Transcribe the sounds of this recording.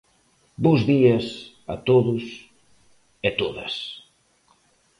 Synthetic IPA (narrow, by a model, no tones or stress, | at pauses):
bozðiɐs | a̰t̪oðʊs | ɛt̪oðɐ̰s